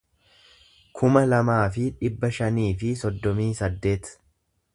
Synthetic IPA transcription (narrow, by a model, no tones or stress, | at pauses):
kʰʊmɐlɐmaːfɪᶑɪbːɐʃɐniːfɪsɔd̪ːɔmiːsɐd̪ːe̞ːt̪